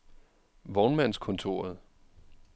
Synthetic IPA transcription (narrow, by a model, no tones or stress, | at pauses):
ʋɒːnmæn̰skʰɔ̽nt͡sʰo̝ːɐð̞̩ˠ